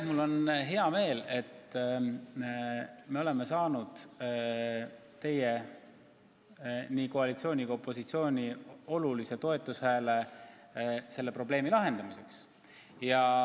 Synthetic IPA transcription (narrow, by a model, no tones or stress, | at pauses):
mulːo̞nɦeɑme̞ːle̞t̪ | me̞o̞le̞me̞sɑːnud̪̥ | t̪e̞je̞ | niko̞ɑlit̪sio̞ːnʲiɡ̥ɑopːˑo̞sit̪sio̞ːnʲio̞lulise̞t̪o̞e̞t̪ːˑushæːle̞ | se̞lːe̞pro̞b̥le̞ːmilɑɦe̞nd̪̥ɑmise̞ks | jɑ